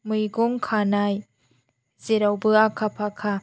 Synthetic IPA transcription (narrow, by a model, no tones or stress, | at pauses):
mɯjɡɔŋkʰanaj | z̥eɾawbɯakʰapʰakʰa